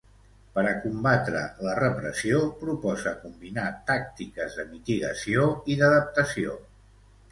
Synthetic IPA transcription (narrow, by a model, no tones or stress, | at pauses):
pəɾəkumbat̪ɾə̰lərəpɾəsiopɾupɔzəkumbinat̪ak̚t̪ikəzðəmit̪iɣə̰sioiðəðəp̚t̪əsio̰